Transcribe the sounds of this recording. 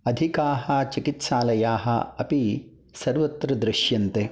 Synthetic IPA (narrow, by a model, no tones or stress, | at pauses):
ɐd̪ʱikaːɦɐ̆t͡ʃikit̪ʃaːlɐjaːɦɐ̰̆ɐpi | sɐɾʋɐt̪ːɾɐd̪ɾɪʃjɐnt̪e